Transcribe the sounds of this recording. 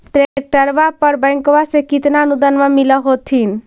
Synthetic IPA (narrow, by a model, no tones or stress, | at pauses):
ʈɾek̚ʈəɾbapəɾbə̃jŋkwasẽkit̪naənud̪ənmamiləɦot̪ʰin